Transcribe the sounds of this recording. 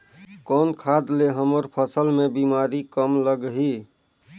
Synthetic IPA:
kɔːnkʰaːd̪leɦəməɾpʰəsəlmẽbimaɾikəmləɡɦi

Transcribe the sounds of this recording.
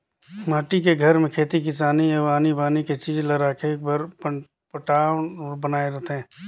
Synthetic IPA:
maːʈikeɡʱɐɾmẽkʰeːt̪ikɪsaːnijəʋaːnibaːniket͡ʃiːd͡ʒlɐɾaːkʰekbəɾpə | pəʈaːbənaːeɾɐɦt̪ɦɛ̃ː

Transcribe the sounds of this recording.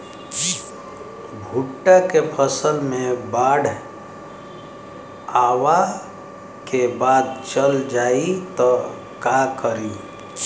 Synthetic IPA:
bʱuʈːakepʰəsəlmẽbaːɽʱ | aːwa | kebaːd̪̚t͡ʃəld͡ʒaːit̪ɔ | kakəɾi

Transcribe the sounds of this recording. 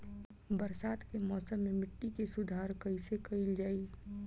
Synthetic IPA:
bəɾsaːd̪kemɔːsəmːẽmɪʈːikesʊd̪ʱaːɾkəisekəɪld͡ʒaːi

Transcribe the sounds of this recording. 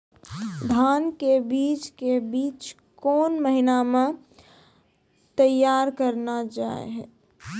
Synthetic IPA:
d̪ʱaːnkebiːt͡ʃkebiːt͡ʃ | koːnməɦinamẽ | t̪əjaːɾkəɾnad͡ʒaːḛɦɛ̰

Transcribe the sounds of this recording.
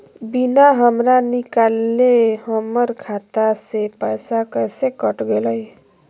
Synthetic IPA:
binaɦəmɾanikalːeɦəmʌɾkʰat̪asepəjsakəjsekʌʈɡeləj

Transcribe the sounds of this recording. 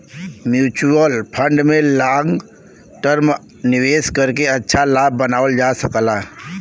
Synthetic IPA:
mjuːt͡ʃuəlpʰə̃ɳɖmẽlaːŋɡ | ʈəɾm | nɪʋeːskəɾkeɐtːʃʰalaːb̚ːənaːʋəld͡ʒaːsəklaː

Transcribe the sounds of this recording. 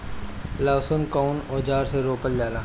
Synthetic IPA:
laːsonkaʊnoːd͡ʒaːɾseɾoːpəld͡ʒaːɾaː

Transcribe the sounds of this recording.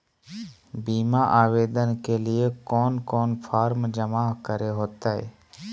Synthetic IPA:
biːmaʔaːʋeːd̪ənkelɪekoːnkoːnpʰaːɾmd͡ʒəmaːɦkəɾeɦoːt̪aːɦḛː

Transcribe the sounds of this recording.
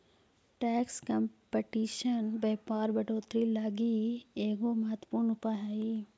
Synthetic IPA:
ʈɛːkskɐmpeʈiːʃənbeːpaːɾbɐɖoːt̪ɾilaːɡieːɡomɐɦət̪ːəpuːɾnʊpaɦaːi

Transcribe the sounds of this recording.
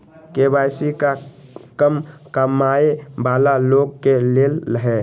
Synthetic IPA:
kebajsikakəmkəmaebalaloɡ̚kelelːəɦɛ

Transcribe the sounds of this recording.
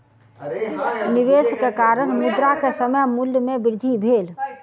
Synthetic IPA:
nɪʋeːskekaːɾəɽ̃mʊd̪ɾakesəməmulːjəmebɪɾd̪ʱibʱeːl

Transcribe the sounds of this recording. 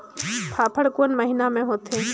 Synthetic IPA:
pʰaːpʰəɽkoənməɦinamẽɦoːt̪ɦẽː

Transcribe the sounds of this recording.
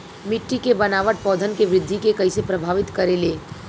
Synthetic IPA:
mɪʈːikebɐnaːʋəʈ̚pɔːd̪ʱənkeʋɾɪd̪ʱːikekɐisepɾɐbʱaːʋɪt̪kɐɾeleː

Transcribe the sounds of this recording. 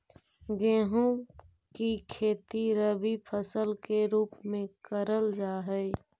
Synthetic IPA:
ɡẽːɦũ | kikʰeːt̪iɾəbipʰəsəlkeɾuːpmẽkəɾəld͡ʒaːɦɛː

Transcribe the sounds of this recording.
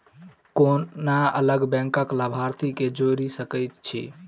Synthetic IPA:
konaə̰ləɡbɛ̃ŋkəkləbʱaɾt̪ʰiked͡ʒoɾisəkəjt̪t͡ʃʰḭ

